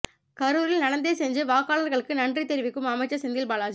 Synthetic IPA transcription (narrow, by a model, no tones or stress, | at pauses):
kɐɾɯɾɪlnɐɽɐnd̪eːsɛɲd͡ʒɯʋaːkaːɭɐɾɣɐɭɯkːɯnɐndrit̪ɛɾɪʋɪkːɯmɐmɐɪt͡ʃːɐsɛnd̪ɪlbaːlaːd͡ʒɯ